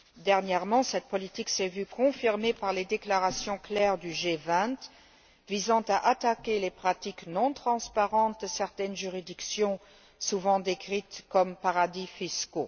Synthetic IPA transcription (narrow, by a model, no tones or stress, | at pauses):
d̪ɛʁnjɛʁmɑ̃sɛt̪̚pɔlit̪iksɛvykʰɔ̃fiʁmepaʁled̪eklaʁasjɔ̃klɛːʁd̪yʒevɛ̃t̪ | vizɑ̃t̪aʔat̪akʲelepχat̪iknɔ̃t̪χɑ̃spaʁɑ̃t̪̚d̪əsɛʁt̪ɛnʒyʁid̪iksjɔ̃ | suvɑ̃d̪ekχit̪kɔmpaʁad̪ifisko